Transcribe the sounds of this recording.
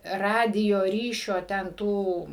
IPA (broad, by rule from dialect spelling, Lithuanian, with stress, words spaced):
ˈrɑːdʲɪjoː ˈrʲiːʃʲoː tʲɛn ˈtuː